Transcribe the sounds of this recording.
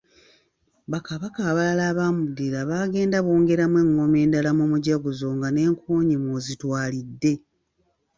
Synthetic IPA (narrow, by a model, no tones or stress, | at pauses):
βakaβakaːβalaːβamudiɾaβaːɡe̞ːndaβoːŋɡe̞ɾamwe̞ŋːo̞me̞ːndalamumuɟaɡuzoŋɡane̞ːŋkʰuːɲimozitwaːlidːe̞